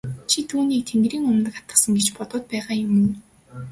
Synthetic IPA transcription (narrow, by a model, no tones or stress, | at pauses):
t͡ɕʰit̪ʰuːniːk̚t̪ʰenɡ̪rɾiːŋʊmnə̆kḁt̪ə̆sə̆ŋɡet͡ɕpɔt̪ʊːt̪̚pæːʁaːjʊmɘ̆n